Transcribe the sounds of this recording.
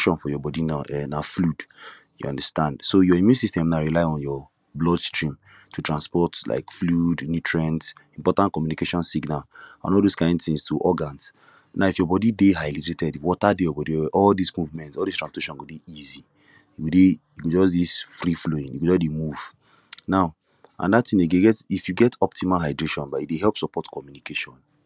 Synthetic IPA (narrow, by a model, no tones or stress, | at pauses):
ʃɔ̃nfɔjɔbɔdinaʔɛnaflud | jṵɔ̰̃ndastãndsojɔimjũnsistɛ̃mnaɹilaɪɔ̃njɔ | blɔdstɹĩm | tʰutɹãnspɔtla̰ɪkfludnitɹɛ̃ntĩmpɔtãnt̚kɔmjunikeʃɔ̃nsiɡnalã̰nɔlˠdoskãɪ̃ndθĩŋstʰuʔɔɡãns | naʊifjɔbɔdideɦaɪliɾetɛdifwɔtadejɔbɔdiɛʔɔldismuvmɛ̃ntɔldistɹãspiteʃɔ̃nɡodeizi | ikudeikud͡ʒɔs̬disfɹifloĩnikud͡ʒɔsdemuv̥ | naʊ | ã̰ndatĩneɡeɡɛtifjuɡɛtʰɔp̚timalɦaɪdɹeʃɔ̃nbaideɦɛlˠpsɔpɔtkɔmjunikeʃɔ̃n